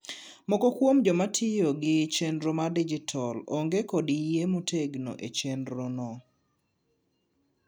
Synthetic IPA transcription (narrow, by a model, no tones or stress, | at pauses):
mɔkɔkwomd͡ʒɔmatʰɪjoɡɪt͡ʃendɾomadid͡ʒitʰɔloŋɡekɔdijemuteɡno̰ʔet͡ʃendɾonɔ